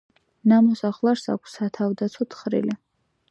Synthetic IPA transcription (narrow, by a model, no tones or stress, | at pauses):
namɔsaχlˠaɾsa̰kʷʰsːat̪ʰavd̪at̪sʰɔt̪ʰχɾḭli